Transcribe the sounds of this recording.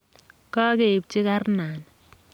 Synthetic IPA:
ka˦ke˨p̚t͡ʃi˦ka˦rnaː˨n

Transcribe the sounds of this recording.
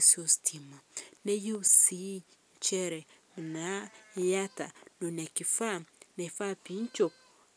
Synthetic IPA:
si˦o˨stʰi˨ma˨nɛ˦je˦u˨si˨˦ɲ˨t͡ʃɛ˦ɾɛ˨mi˨na˨˦ja˦ta̰˨no˨na˨ki˨fa˦nɛ˨fa˦pi˨˦n˦t͡ʃo˨p̚

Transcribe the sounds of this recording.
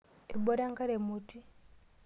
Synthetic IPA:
e˨bo˦ɾa˦ŋka˦ɾe˨muti˦

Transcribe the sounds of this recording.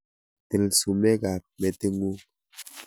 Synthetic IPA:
te˨lsu˨mɛ˦ɡa˨p̚mɛ˨te˦ŋu˦

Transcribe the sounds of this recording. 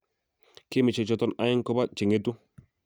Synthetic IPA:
ki˦mi˨t͡ʃe˨t͡ʃɔ˦tɔ˦na˦ji˦ŋkɔ˦ba˦t͡ʃi˨ŋe˦tu˦

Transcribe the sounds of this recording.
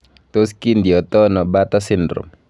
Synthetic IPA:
t̪oski˦nd̪i˨ɔt̪ɔ˦nɔ˨bat̪ɔ˦sɪndrʊ̰˨m

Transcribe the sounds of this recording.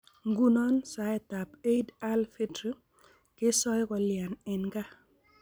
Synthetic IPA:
ŋɡu˦nɔ˦nsa˨ɛ˨t̪a˨pe˦i˦da˦lfi˦dɾi˦ | kɪ˦sɔ˦jkɔ˧lja˨nɛ˨nɡa˦

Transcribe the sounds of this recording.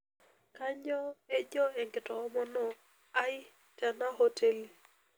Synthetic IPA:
ka˦ɲɔ˦e˦d͡ʒɔ˦e˨ŋɡɪ˨tɔ˨˦mɔ˦nɔ˦ | a˦jɪ˦ | ta˨na˦ɦo˦tʰe˦l

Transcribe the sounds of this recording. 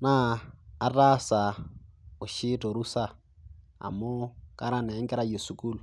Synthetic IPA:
naː˦˨ra˦sa˨ | o˨ʃi˦tɔ˨ɾu˦sa˦˨ | a̰˨mo˦kʼa˦ɾa˦nɛ˨˦ŋkɛ˦ɾa˦jo˨su˦kʼu˦lu˨

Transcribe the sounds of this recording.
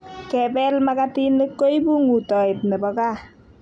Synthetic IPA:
kɛ˨bɛ˦lma˦ka˦ti˦ne˦kːo˦i˦bu˦ŋu˨tɔ˨ɪ˨p̚ne˨bɔ˨ka˦˨

